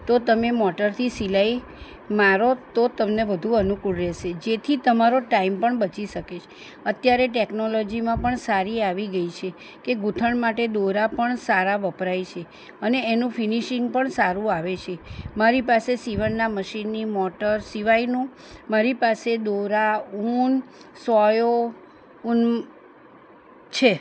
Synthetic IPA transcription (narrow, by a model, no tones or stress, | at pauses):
t̪ot̪əmemɔʈəɾt̪ʰisilai | maɾot̪ot̪əmneʋəd̪ʱũənukuɽɾɛʃed͡ʒet̪ʰit̪əmaɾoʈaimpəɳbət͡ʃiʃəket͡ʃʰ | ət̪jaɾeʈeknolɔd͡ʒimãpəɳsaɾiaʋiɡəit͡ʃʰe | keɡut̪ʰəɳmaʈed̪oɾapəɳsaɾaʋəpɾajt͡ʃʰe | əneːnũfʰiniʃiŋɡ̚pəɳsaɾũaʋet͡ʃʰemaɾipasesiʋənːaməʃinːimɔʈəɾsiʋainũ | maɾipased̪oɾaunsɔjo | un | t͡ʃʰe